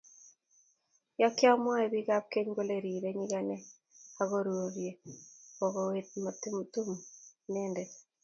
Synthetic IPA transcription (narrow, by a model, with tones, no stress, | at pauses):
jɔ˦kjɔ˦mwa˦e˨bi˦ɡa˦p̚ke˦ɲɡo˦le˨ɾi˨ɾe˦ɲi˦ɡa˨nɛ˦ | a˨ɡo˦ɾwo˨ɾje˨bɔ˨ɡɔ˨we˨t̪̚ma˨tmtu˦mnɛ˦nde˨